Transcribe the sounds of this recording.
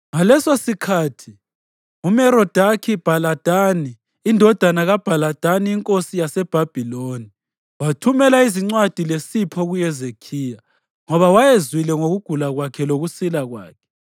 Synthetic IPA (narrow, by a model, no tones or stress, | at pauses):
ŋalɛsosikʰaːtʰi | umɛɾɔd̥ʱakʰib̥ʱalad̥ʱaniː | ndʱɔd̥ʱanaɣab̥ʱalad̥ʱaniːŋkʼosijasɛb̥ʱab̥ʱiloni | watʰumɛlaiziŋ͡ǀwad̥ʱilesipʰɔɣujɛzekʰiːja | ŋɔβawajezwilɛŋoɣuɡ̥ʱulaɣwakʰɛloɣusilaɣwa̰ːkʰɛ̥